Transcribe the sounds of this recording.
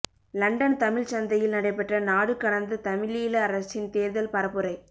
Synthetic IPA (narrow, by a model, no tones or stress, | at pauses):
lɐɳɖɐnt̪ɐmɪɻt͡ʃɐnd̪ɐjɪlnɐɽɐɪpːɐʈrɐnaːɽɯkːɐɽɐnd̪ɐt̪ɐmɪɭiːlɐːɾɐsɪnt̪eːɾðɐlpɐɾɐpːɯɾɐɪ